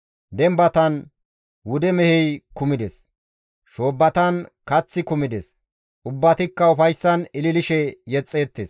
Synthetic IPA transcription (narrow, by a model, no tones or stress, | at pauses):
d̪ɛmbɐt̪ɐn | wʊd̪ɛmɛhɛjkʊmɪd̪ɛs | ʃo̞ːbːɐt̪ɐnkɐt͡sːɪkʊmɪd̪ɛs | ʔʊbːɐt̪ɪkːɐʊfɐjsːɐnɪlɪlɪʃɛjɛt͡sʼːe̞ːt̪ːeːs